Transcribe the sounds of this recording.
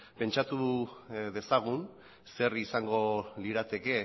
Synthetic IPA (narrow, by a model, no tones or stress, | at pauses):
pe̞nt͡ʃat̪u | ðe̞saɣ̞un | se̞risaŋɡo̞liɾat̪e̞ke̞